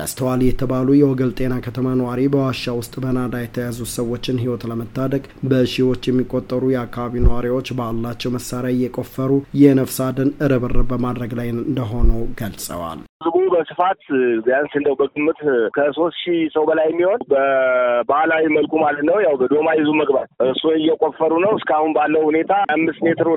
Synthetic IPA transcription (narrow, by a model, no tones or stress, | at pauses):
t̪ʰə̰st̪ʰəwaljɛt̪ʰəβalujɛwɔɡəlt̪ʼe̞nakʰət̪ʰəmanəwaɾibəwaʃːawʊst̪ʼbənad̪ajɛt̪ʰəjazut̪səwːo̞t͡ʃːɪnɦiwot̪ləmət̪ʰːad̪əɡʼ | bəʃiwo̞t͡ʃːjɛmːikʼo̞t̪ʼːəɾujɛakːaβaβinəwaɾiwo̞t͡ʃːbəlːat͡ʃːɛwməsaɾjajɛkʼo̞fːəɾujɛnəfsad̪ənɨɾəβɨrəbəmad̪ɾəɡlajɨnnd̪əɦo̞nəwɡ̥əlsʼə̰wa̰lɨzbubəsɨfat̪jansɨnd̪əwbəɡɨmːɨt̪kʰəso̞st̪ʃisəwbəlajɛmːiho̞nbəbahlawiməlkʰʼumalət̪nəwjawbəd̪o̞majɪzuməɡbat̪ʔɨɾsunɪjːɛkʼofːəɾunəwɨskəahunbalːəwhune̞t̪ʰaamːɨst̪met̪ʰɨɾ